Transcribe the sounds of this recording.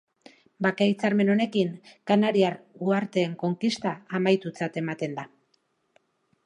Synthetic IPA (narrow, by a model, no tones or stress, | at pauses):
bakait͡saɾme̞no̞ne̞kiŋkanaɾiaɾuaɾt̪e̞ːŋko̞ŋkist̪aːmajt̪ut͡sat̪e̞mat̪e̞nd̪a